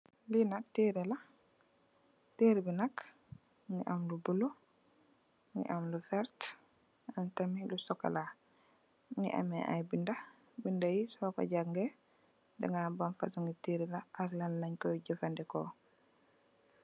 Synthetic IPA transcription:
linak̚tiɾɛla | tiɾibinak | ŋiʔamlubulo | ŋɡḭʔamlufɛɾt | antamilusɔkːa̰la | ŋḭʔa̰mɛ̰ʔa̰jbinda | bindajisɔkɔ̰ɟaɡŋɡɛ | dɛ̰ŋɡabanfa̰suŋɡitiɾɛlaʔaklallaɲkɔjɔɟɛfandɛkɔ̰

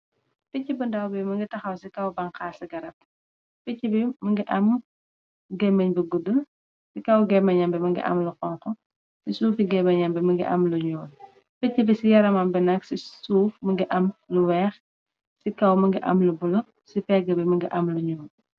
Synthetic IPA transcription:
ficːibundɐwbɛmɐŋɡitɐxɐwsikɐwbɐŋkaːsɐɡɐɾɐp̚ | fɛcːibimɐŋɡiʔɐm | ɡɛmɐɲbiɡudul | sikɐwɡɛmɐɲɐmbɛmɐŋɡḭʔɐ̰mluqɔŋqɔ | sisuːfiɡɛbɐɲɐmbɛmɐŋɡḭʔɐ̰mluɲɔːl | fɛcːibisijɐɾɐmɐmbɛnɐksisuːfmɐŋɡiʔɐmluwɛːχ | sikɐwmɐŋɡiʔɐ̰mlubulɐ | sipɛɡɐbɛmɐŋɡiʔɐmluɲɔːl

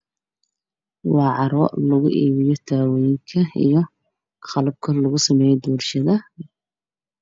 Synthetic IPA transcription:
wɑːʕɑɾɔ̰ːlɐɣʊ̰ʔiːβɪjɔt̪ʰaːwɔjɪŋkʰɐḭjɞ | qɑlɐb̚kʰɐlɐɣʊsɐmɛːjɛd̪uːrʃɐðɐ

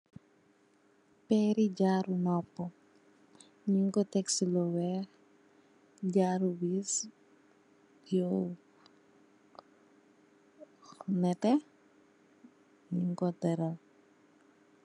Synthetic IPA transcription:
pɛɾid͡ʒaɾunɔpːɔ | ɲiŋkot̪ɛksilɔwɛ | d͡ʒaɾuwis | o | nɛtɛ | ɲiŋkɔdəɾal

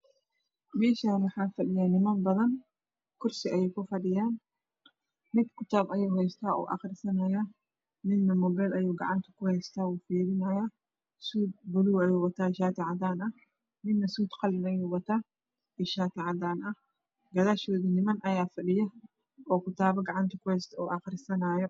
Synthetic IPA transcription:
mɛːʃaːnwʊħaːfɐɗɪjanɪmɐnbɐðɐn | kʊɾsɪʔɐjɛːkʊfɐɗɪjaːn | mɪd̪kʊt̪aːbɐjoːɦɛst̪aːʔɔ̰ːʔɐ̰xɾɪsɐnɐja | mɪnːɐmɔbɛlɐjoːɡɐ̰ʕant̪ʰɐ̥kʊhɛːst̪aːuːfiːɾɪnɐja | suːd̪̚bʊluːɐjuːwɐt̪aːɪʃaːt̪ɪʕad̪aːnɐ | mɪnːɐsuːd̪qɑlɪnɐjuːwɐt̪ʰaː | ɪʃaːt̪ɪʕad̪aːnʔɐ | ɡɐðaːʃoːðɪnɪmɐnʔɐjaːfɐɗɪjɐ | ʔɔːkʊt̪ʰaːbɐɡɐʕɑnt̪ʰɐ̥kʊhɛːst̪ʰɐɔːʔɐxɾɪsɐnaːjɔ

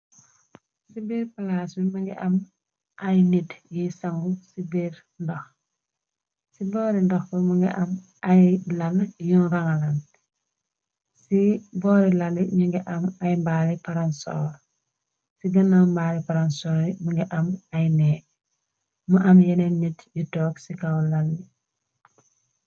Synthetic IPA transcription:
sibiːɾpalasmimuŋɡiʔɐm | ʔajnidjisaŋɡusibiɾ | ndɔx | sibɔːɾindɔxbəmuŋɡḭʔɐm | ɐjlɐljunraŋalɐn | sibɔːɾilɐliɲuŋɡiʔɐmɐjmbaːlipɐɾansɔ̰ɾ | siɡɐnːambaːlipaɾɐnsɔɾimuŋɡiʔɐmɐjnɛː | muʔɐmjɐnɛnitjutɔːksikawlalːi

